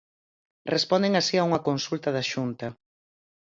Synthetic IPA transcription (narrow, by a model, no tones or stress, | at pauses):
respɔnd̪eŋasiauŋɐkonsult̪ɐðɐʃunt̪ɐ